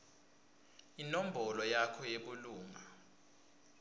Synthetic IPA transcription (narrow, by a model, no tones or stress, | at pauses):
inom̩bʱɔlɔjakʰɔjeɓuluːŋa